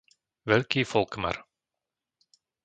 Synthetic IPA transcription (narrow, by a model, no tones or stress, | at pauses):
ʋɛlkifɔlˠkma̰r